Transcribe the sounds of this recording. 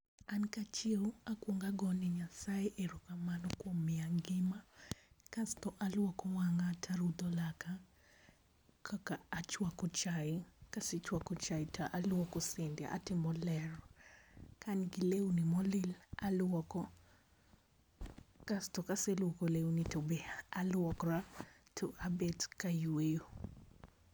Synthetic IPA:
ankat͡ʃɪakwoŋɡaɡɔniɲasajeʔeɾukamanɔkwɔmɪaŋɡɪmakastɔʔalwɔkɔwaŋatʰaɾud̪ɔlaka | kakaːt͡ʃwakɔt͡ʃaikaset͡ʃwakɔt͡ʃaitaʔalwɔkɔsendɛ̰ʔa̰tɪmɔlɛɾɔ | kanɡɪlewnimɔlɪlalwɔkɔ | kastɔkaselwɔkolewnitobeaalwɔkɾatʰoʔabetkajwejo

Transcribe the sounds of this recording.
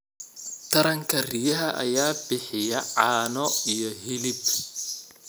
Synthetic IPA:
t̪ʰɐɾɐŋkʰɐrijɐɦɐʔɐ̰jaːbɪħɪjɐʕaːnɔijɔɦɪlɪb

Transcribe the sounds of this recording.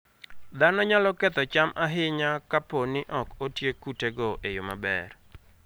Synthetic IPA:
d̪anɔɲalɔkɛt̪ɔt͡ʃamʔaɦɪɲakaponɪʔɔkotjekuteɡɔʔejoma̰bɛ̰r

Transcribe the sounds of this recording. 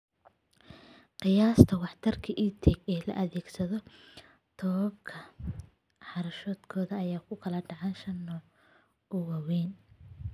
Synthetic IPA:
qɪjaːst̪ʰɐwɑħt̪ʰɐrkʰɐʔiːt̪ʰɛɡɛːlɐ̰ʔɐðɛːɡsɐðɔ | t̪ʰɔːβɐbkʰɐ | ħɑɾɐʃɔːd̪kʰɔːðɐːjaːkʰʊkʰɐlɐɖɑʕɑnʃɐnːɔː | ʔʊwɑwɛːn

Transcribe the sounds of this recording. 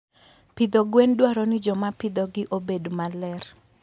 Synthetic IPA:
pɪd̪oɡwendwaɾɔnɪd͡ʒɔmapɪd̪ɔɡɪʔobedmalɛr

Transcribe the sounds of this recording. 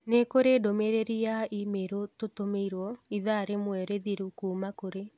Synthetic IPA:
nekoɾedomeɾeɾiaʔimeɾototomeiɾwɔiðaɾemwɛɾeðiɾukuːmakoɾe

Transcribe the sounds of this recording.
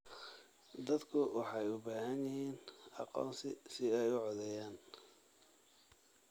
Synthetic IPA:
d̪ɐd̪kʰʊwɑħɑjʊbaːɦɐnjɪhiːnɑ̰qɔ̰ːnsɪsɪɛjʊʕɔðɛjaːn

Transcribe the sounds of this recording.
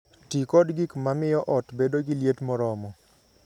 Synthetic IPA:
tikɔdɡikmamɪjɔʔɔtbedoɡiljetmɔɾɔmɔ

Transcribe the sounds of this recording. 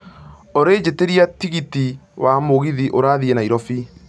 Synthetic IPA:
oɾed͡ʑeteɾiatiɣitiwamoɣiðiʔoɾaðiɛnaiɾɔfi

